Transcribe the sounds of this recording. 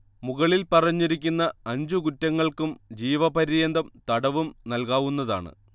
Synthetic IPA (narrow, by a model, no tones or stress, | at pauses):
muɣɐɭilpɐrɐɲːiɾikʲːunːɐɐɲd͡ʑukutːɐŋːɐɭkumd͡ʑiːʋɐpɐɾijɐnd̪ɐmt̪ɐɽɐʋumnɐlkaːʋunːɐða̰ːɳɨ̰